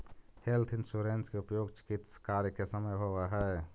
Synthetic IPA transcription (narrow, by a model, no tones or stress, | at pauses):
helt̪ʰɪnsuɾenskeupjoːɡt͡ʃɪ̥kɪt̪skaːɾjəkesəməjɦoʋaɦɛ